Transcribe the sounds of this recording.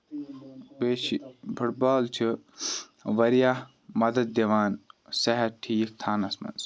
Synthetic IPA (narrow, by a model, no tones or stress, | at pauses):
beːʃibʰuʈ̚baːlt͡ʃʰi | ʋɐɾija | mɐd̪ɐd̪̚ːeʋaːnsɐɦɐʈʰiːk̚t̪ʰaːnɐsmɐ̰ns